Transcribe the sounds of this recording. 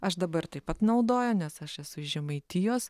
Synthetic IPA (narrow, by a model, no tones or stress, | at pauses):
ɐʃd̪ɐbɐɾt̪ɐɪpɐt̪nɐʊd̪oːjoːnʲɛsɐʃɛsʊʒʲɛmɐɪt̪ʲiːjoːs